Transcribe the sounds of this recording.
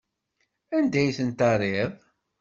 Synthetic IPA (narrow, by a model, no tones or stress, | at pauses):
ænd̪æjθənt̪ɑrˤɪðˤ